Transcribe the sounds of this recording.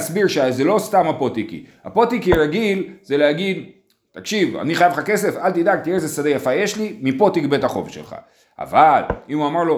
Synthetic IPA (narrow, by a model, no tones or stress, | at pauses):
sbiʁʃeazelo̞st̪amhapo̞t̪ikḭha̰po̞t̪ikiʁaɡilzeleaɡid̪ | t̪akʃiva̰niχajavlχake̞se̞falt̪id̪aɡt̪ijeezesad̪ejafajeʃlimipo̞t̪iɡbe̞t̪aχo̞̰vʃelχa̰ | a̰valimuamaʁlo̞